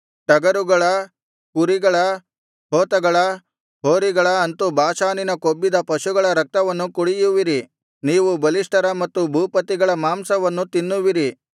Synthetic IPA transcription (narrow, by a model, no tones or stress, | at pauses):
ʈɐɡɐɾuɡɐɭɐ | kuɾiɡɐɭɐ | ɦoːt̪ɐɡɐɭɐ | ɦoːɾiɡɐɭɐːnt̪ubʱaːʃaːninɐkobːid̪ɐpɐʃuɡɐɭɐɾɐk̚t̪ɐʋɐnːukuɽijuʋiɾi | niːʋubɐliʂʈɐɾɐmɐt̪ːubʱuːpɐt̪iɡɐɭɐmaːmsɐʋɐnːut̪inːuʋiɾi